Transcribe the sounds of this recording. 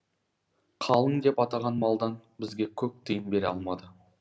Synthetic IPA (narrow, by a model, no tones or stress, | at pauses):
qʰɑlˠəŋd̪e̞pɑt̪ɑʁɑnmɑlˠd̪ɑnbɪzɡʲe̞kʲʰɵk̚t̪ʰɨjənbe̞ɾɑ̰lˠmɑd̪ə